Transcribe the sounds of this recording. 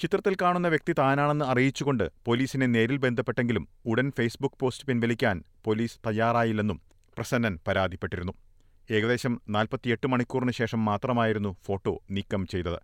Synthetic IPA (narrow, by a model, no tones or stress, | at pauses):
t͡ɕit̪rɐt̪ːilkaːɳunːɐʋjek̚t̪it̪aːnaːɳe̞nːɨɐrijit͡ɕːuɣo̞ɳɖɨpo̞liːsinene̞ːɾilbe̞nd̪ʱɐpːe̞ʈːe̞ŋɡilumuɽɐnfejsbukːpo̞ːstɨpinʋɐlikʲːaːnpo̞liːsɨ̥t̪ɐjːaːraːjilːe̞nːum | prɐsɐnːɐnpɐɾaːd̪ʱipːe̞ʈːiɾunːu | e̞ːɣɐðe̞ːɕɐmnaːlpɐt̪ːije̞ʈːɨmɐɳikʲːuːrinɨɕe̞ːʂɐmːaːt̪rɐmaːjiɾun̪ːufo̞ːʈːo̞̰ːniːkːɐmt͡ɕe̞jt̪ːɐðɨ̰